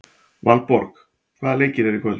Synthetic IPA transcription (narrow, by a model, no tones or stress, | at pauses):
vanpɔɾk | kʰvaðlejcɪɾɛɾikʰɔ